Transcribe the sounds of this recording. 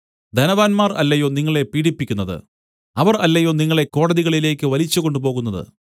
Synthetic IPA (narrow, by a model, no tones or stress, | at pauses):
d̪ɐnɐʋaːnmaːrɐlːɐjoniŋːɐɭe̞piːɽipːikʲːunːɐðɨ̰ | ɐʋɐrɐlːɐjoːniŋːɐɭe̞kːo̞ːɽɐðiɣɐɭile̞ːkʲːɨʋɐlit͡ɕːuɣo̞ɳɖupo̞ːɣunːɐðɨ̰